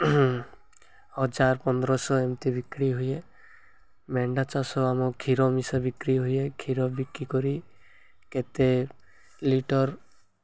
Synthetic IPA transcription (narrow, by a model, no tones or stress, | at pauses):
hɔd͡ʒaɾpɔnd̪ɾɔsɔemt̪ibikɾiɦuje | mɛɳɖat͡ʃasɔamɔkʰiɾɔmisabikɾiɦujekʰiɾɔbikikɔɾi | ket̪e | liʈɔɾ